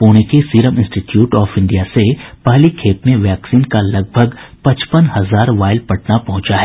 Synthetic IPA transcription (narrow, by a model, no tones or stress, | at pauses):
poːñekesiːɾəmɪ̃nsʈiʈjuːʈɔːfɪ̃ɳɖijasepɐɦlikʰeːp̪mẽʋɛːksiːnkalɐɡ̚bʱəɡpɐ̃t͡ʃpənhɐzaːɾʋaːɪlpɐʈnapɐɦʊ̃t͡ʃaɦɛː